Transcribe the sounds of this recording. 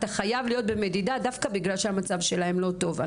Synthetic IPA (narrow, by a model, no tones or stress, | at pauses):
t̪aχajavlijo̞t̪̚be̞me̞d̪id̪adafkabiɡlalʃeamat͡savʃe̞lahe̞mlo̞t̪o̞va